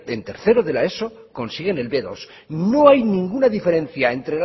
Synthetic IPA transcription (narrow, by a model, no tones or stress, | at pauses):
ent̪e̞ɾθe̞ɾoðe̞lae̞so | ko̞nsiɣe̞ne̞lβe̞ðo̞̰s | no̞ajnĩŋɡunaðife̞ɾẽ̞n̟θjae̞nt̪ɾel